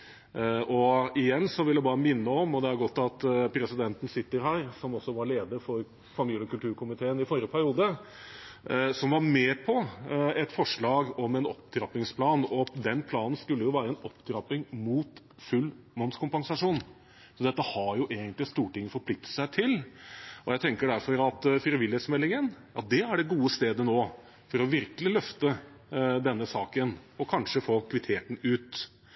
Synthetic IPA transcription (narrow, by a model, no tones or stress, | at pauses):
ʔɔɪjɛnːsɔʋɪldjæbɑːɾəmɪnːəɔmɔd̪ɛæɾɡɔt̪ːɑt̪pʰɾɛsɪd̪ɛnt̪n̩sɪt̪ːəɾɦæːɾsɔmɔsːɔʋɑɾɭeːd̪əɾfɔɾ | fɑmiːləɔkʉlt̪ʉːɾkʰʊmɪt̪ʰeːənɪfɔɾəpʰæɾɪuːd̪ə | sɔmʋɑɾmɛpʰɔɛt̪fɔʂɭɑːɡɔmɛnɔ̰pd̪ʰɾɑpɪŋspʰlɑːnɔd̪ɛnpʰlɑːnən̩skʉlːəjʊʋæːɾəɛnɔpːd̪ʰɾɑpːɪŋmuːt̪ | fʉlː | mɔnskʊmpɑŋsɑʂuːn | sɔd̪ɛt̪ːəhɑɾjʊʔeːɡənt̪lɪst̪uːʈɪŋːəfɔɾpʰlɪk̚t̪əsæɪt̪ʰɪlɔjæɪt̪ʰɛŋkəɖæɾfɔɾɑt̪fɪɾəʋɪlheːt̪smɛlːɪŋənjɑ̰t̪̚d̪ɛæɖɛɡuːəst̪eːd̪ənoː | fɔɾɔʋɪɾkəlɪlœft̪ə | d̪ɛnːəsɑːkənɔkʰɑnʂəfoːkʰʋɪt̪ʰeːt̪n̩ʉːt̪